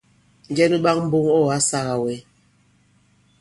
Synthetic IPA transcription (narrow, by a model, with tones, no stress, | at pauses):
n˨d͡ʒɛ˦nu˦ɓa˦ŋ̚m̩˦bu˦ŋɔ˦˨a˦sa˦ɣa˨we˨˦